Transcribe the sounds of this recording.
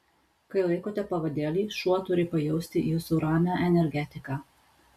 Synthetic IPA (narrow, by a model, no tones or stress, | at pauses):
kɐɪlˠɐɪkoːt̪ʲɛpɐʋɐd̪ʲeːlʲiːʃuɔt̪ʊɾʲɪpɐjɛʊsʲt̪ʲɪisʊɾɑːmʲɛʔɛnʲɛɾʲɡʲɛt̪ʲɪkɑː